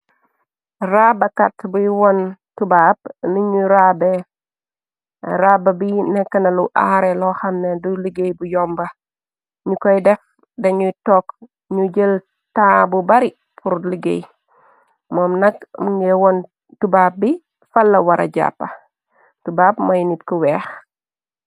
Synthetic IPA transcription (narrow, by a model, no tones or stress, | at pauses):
raːbɐkatbujwɔntubaːb̚nuɲuɾabɛ | ɾabɐbinɛkːɐnɐluʔaːɾɛlɔxɐmneduliɡejbujɔmbɐ | ɲukɔjdɛf | dɐɲutɔk | ɲuɟəl | taːbubɐɾi | pʰuɾliɡḛj | mɔmnɐk̚muŋɡɛwɔn | tubaːp̚bi | fɐlːɐwɐɾʔɐ̰ɟa̰pːɐ | tubab̚mɐjnitkuwɛːx